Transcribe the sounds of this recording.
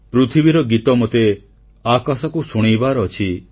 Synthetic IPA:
pɾut̪ʰibiɾɔɡit̪ɔmot̪e | akasɔkusuɽ̃ibaɾɔːt͡ʃʰi

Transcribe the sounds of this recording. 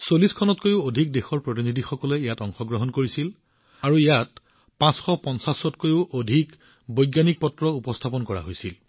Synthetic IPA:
soliskʰɔnɔtkojʊodʱik̚dexɔɹpɹot̬inidʱixɔkɔlɛjatɔŋxɔɡɹɔɦɔnkoɹisil | aɹuijat | pãsxɔpɔnsasɔtkojʊʔodʱik | bojɡjanik̚pɔtɹɔupɔstʰapɔnkɔɹa̰ɦojsil

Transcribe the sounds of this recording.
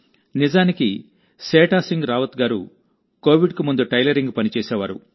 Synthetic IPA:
nid͡ʒaːniki | seːʈaːsiŋɡɾaːʋɐt̪uɡaːɾṵ | ko̞ːʋiɖkumund̪uʈɐjlɐɾiŋɡupɐnit͡ʃɛːsɛːʋaːɾṵ

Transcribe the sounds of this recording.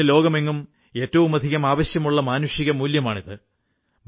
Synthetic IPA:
ɨlo̞ːɡɐme̞ŋːum | e̞ːtːɐʋumɐd̪ʱiɣɐmaːʋɐɕjɐmuɭːɐmaːnuʂiɣɐmuːljɐmaːɳiðɨ | m

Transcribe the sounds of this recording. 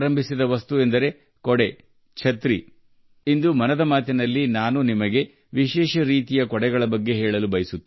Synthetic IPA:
ɾɐmbʱisid̪ɐʋɐst̪uend̪ɐɾe̞ | kɔɽe | t͡ʃʰɐt̪ɾi | ind̪umɐnɐd̪ɐmaːt̪inɐlːinaːnunimɐɡe̞ | ʋiʃɛːʃɐɾiːt̪ijɐkɔɽɛɡɐɭɐbɐɡːe̞ɦɛːɭɐlubɐjɐsut̪ː

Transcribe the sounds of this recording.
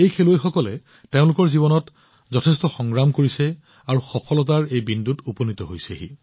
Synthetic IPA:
ejkʰeloexɔkɔlɛ | teʊ̃lʊkɔɹzibɔnɔt | zɔtʰɛstɔxɔŋɹamkoɹisɛ | aɹuxɔpʰɔlɔt̬aɹejbindutuponit̪ɔɦojsɛeɦḭ

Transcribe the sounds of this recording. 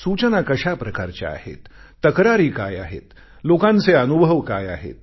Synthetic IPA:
sut͡ɕənakəɕapɾəkaɾt͡ɕa̰a̰hḛt̪ː | əkɾaɾiːkaja̰ɦḛt̪ | lokãnt͡seənubʱəʋkaja̰ɦḛt̪̚

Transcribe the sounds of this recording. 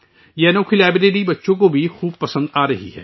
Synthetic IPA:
jɛːnoːkʰilɛːbɪʈeːʈibɐtːʃõkobʱixuːb̚pɐsə̃nd̪aːɾɐɦḭɦɛ̰ː

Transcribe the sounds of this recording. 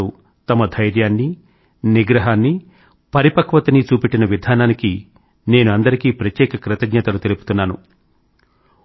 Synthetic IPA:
u | t̪ɐmɐd̪ʱɐjɾjaːnːi | niɡɾɐɦaːnːi | pɐɾipɐkʋɐt̪ɐnit͡ʃuːpiʈːinɐʋid̪ʱaːnaːniki | ne̞ːnuɐnd̪ɐɾikiːpɾɐt̪jɛːkɐkɾɪt̪ɐɡɲɐt̪ɐlut̪elupu̥t̪unːaːnṵ

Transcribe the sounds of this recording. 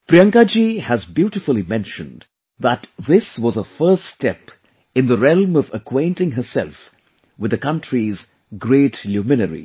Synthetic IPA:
pɾiʌ̃ŋkad͡ʒihæzbjuːɾɨfəlˠimɛ̃nʃə̃nd | ðət̪ðɪswʌzəfɜ˞ststɛp | ɨ̃nðəɾɛlˠmʌvəkʰwẽɪ̃ntɪ̃ŋɦə˞sɛ̰lf | wɨd̪əkʌ̃ntɹiz | ɡɾeːtljumɪnəɾḭ

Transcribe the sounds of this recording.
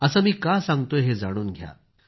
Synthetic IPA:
əsamiːkasãŋɡt̪oɦed͡zaɽ̃uːnɡʱja̰

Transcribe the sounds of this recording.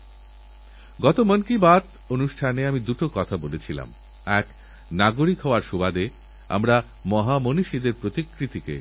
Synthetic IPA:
ɡɔt̪omənkibat̪ | onuʃʈʰaneamid̪uʈokɔt̪ʰabolet͡ɕʰila̰m | ɛk | naɡoɾikɦɔoaɾʃubad̪e | a̰mɾa | mɔɦamoniʃid̪eɾpɾot̪ikːɾit̪ikḛ

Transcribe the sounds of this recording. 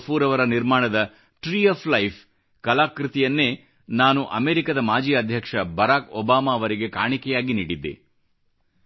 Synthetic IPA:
pʰuːɾɐʋɐɾɐniɾmaːɳɐd̪ɐ | ʈɾiːɐpʰlɐjpʰ | kɐlaːkɾit̪ijɐnːe̞ː | naːnuʔɐmeːɾikɐd̪ɐmaːd͡ʒiːɐd̪ʱjɐkʂɐbɐɾaːkɔbaːmaɐʋɐɾiɡe̞kaːɳikɛjaːɡiniːɽid̪ːḛ

